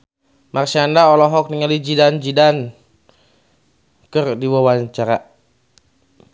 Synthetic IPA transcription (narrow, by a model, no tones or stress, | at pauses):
marsiandaɔlɔɦɔk̚niŋalid͡ʒidand͡ʒidan | kərdiwawaɲt͡ʃaɾa